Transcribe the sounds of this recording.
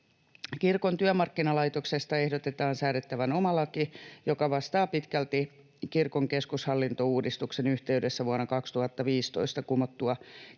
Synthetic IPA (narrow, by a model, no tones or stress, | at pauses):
kirkont̪yæmɑrkːinɑlɑit̪oksest̪ɑehdot̪et̪ɑːnsæːɾet̪ːæʋænomɑlɑkijokɑʋɑst̪ɑːpit̪kælt̪i | kirkoŋkeskushɑlːint̪ouːdist̪uksenyht̪eydesːæʋuɑnːɑkɑkst̪uhɑt̪ːɑʋiːst̪oist̪ɑkumot̪ːuɑ